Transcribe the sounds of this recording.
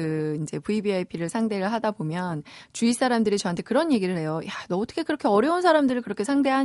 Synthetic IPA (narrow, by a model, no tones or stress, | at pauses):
ɯind͡ʑe̞puibiajpʰiɾɯɭsʰaŋde̞ɾɯɭɦadabomjʌnt͡ɕuis͈ʰaɾamdɯɾit͡ɕʌɦantʰe̞kɯɾʌɲje̞ɡiɾɯɭhe̞jojadʌːt͈ʰʌkʰe̞kɯɾʌkʰe̞ʌɾjʌunsʰaɾamdɯɾɯɭkɯɾʌkʰe̞sʰaŋde̞ɦa